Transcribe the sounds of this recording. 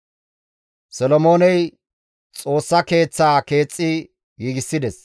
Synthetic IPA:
sɔlɔmo̞ːnɛj | t͡sʼo̞ːsːɐke̞ːt͡sːaːke̞ːt͡sʼːɪ | jiːɡɪsːɪd̪ɛs

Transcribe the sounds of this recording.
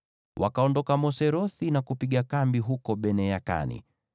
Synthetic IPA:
wʔa̰kaɔndɔkamɔsɛɾɔθinakupiɠakambiɦukɔɓɛnɛjaka̰nḭ

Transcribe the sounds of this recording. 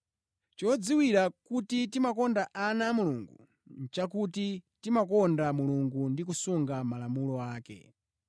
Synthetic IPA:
t͡ʃɔd͡ziwiɾakutitimakɔndaʔanaːmulṵŋɡṵ | n̩t͡ʃak̬utitimakɔndamuluŋɡundik̬usuŋɡamalamulɔaːkɛ̰

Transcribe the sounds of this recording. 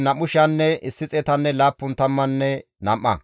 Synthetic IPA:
nɐmʊʃɐnːɛʔɪsːɪt͡sʼɛt̪ɐnːɛlaːpːʊnt̪ɐmːɐnːɛ | nɐ̰mʔːɐ̰

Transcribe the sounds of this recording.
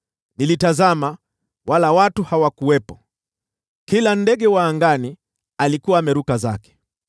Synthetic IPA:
nilitazama | walawatuhawakuɛpɔ | kilandɛɡɛwaːŋɡani | alikuaːmɛɾukaza̰kɛ̥

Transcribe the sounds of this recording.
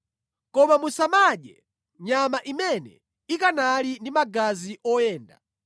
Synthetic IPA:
kɔmamusamaɗɛ | ɲamaʔimɛnɛ̰ | ikanalindimaɡaziʔɔjɛːnda̰

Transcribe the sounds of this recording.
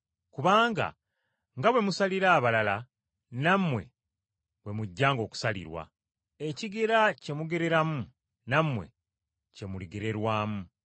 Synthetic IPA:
kuβaːŋɡa̰ | ŋɡaβwe̞musaliɾaːβalala | namːwe̞̰ | βwe̞muɟːaːŋɡo̞ːku̥salḭɾwa̰ | eciɡeɾace̞muɡe̞ɾe̞ɾamu | namwe̞̰ | ce̞muliɡe̞ɾe̞ɾwaːmu

